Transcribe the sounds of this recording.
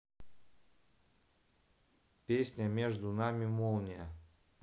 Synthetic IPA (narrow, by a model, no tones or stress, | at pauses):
pʲesʲnʲəmʲeʐd̪ʊnamʲɪmolˠnʲɪjə